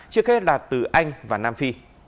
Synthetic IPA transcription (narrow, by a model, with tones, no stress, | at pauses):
t͡ɕɨ˧˥ək̚he˦˥t̚laː˨˩t̪ɨ˨˩ʔa˧jŋ̟vaː˨˩naː˧mfi˧